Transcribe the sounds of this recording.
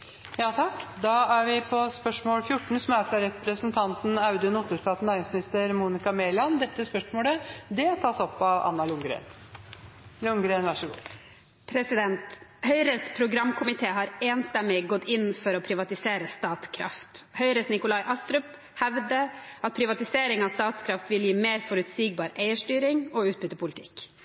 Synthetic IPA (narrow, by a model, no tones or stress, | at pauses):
jɑːt̪ʰɑkːd̪ɑæɾʋɪpʰɔspœʂmoːlfjʊʈːɳ̩sɔmæɾfɾɑɾɛpɾəsənt̪ʰɑnt̪n̩ɑʉd̪ənut̪ːəʂʈɑːt̪næɾɪŋsmɪnɪst̪əɾmuːnɪkɑmeːlɑnd̪ɛt̪ːəspœʂmoːləd̪ɛt̪ʰɑsɔpːɑʋɑ̰nːɑlʊŋɡɾḛːn | lʊŋɡɾeːnʋæʂəɡṵː | pʰɾɛsɪd̪ɛnt̪hœʏɾəspʰɾʊɡɾɑmːkʰʊmɪt̪ʰeːɦɑɾeːnst̪ɛmːɪɡɔt̪ːɪnːfɔɾɔpʰɾɪʋɑt̪ɪseːɾəst̪ɑːt̪skʰɾɑ̰ft̪hœʏɾəsnɪkʊlɑɪʔɑst̪ɾʉp | hæʋd̪əɑt̪̚pʰɾɪʋɑt̪ɪseːɾɪŋɑʋst̪ɑːt̪skʰɾɑft̪ʋɪljiːmeːɾfɔɾʉt̪siːɡ̚bɑːɾʔeɪəʂʈyːɾɪŋɔʉːt̪̚bʏt̪ːəpʊlɪt̪ʰɪk